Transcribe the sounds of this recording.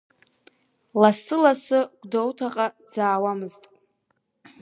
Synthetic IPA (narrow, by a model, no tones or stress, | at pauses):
lasɨlasɨɡʷdowtʰaqʼa | d͡zaːwamɨztʼ